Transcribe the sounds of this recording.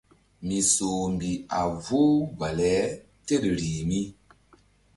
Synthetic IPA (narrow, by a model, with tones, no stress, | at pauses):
mi˨so˨mbi˨a˨voː˦va˨lɛ˨˦ | te˦˨ɗɾi˨mi˦